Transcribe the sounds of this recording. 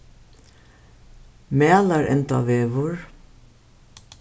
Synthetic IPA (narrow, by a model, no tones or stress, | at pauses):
mæːlɑɾʔɛ̰nt̪ɑ̰ʋeːʋʊɹ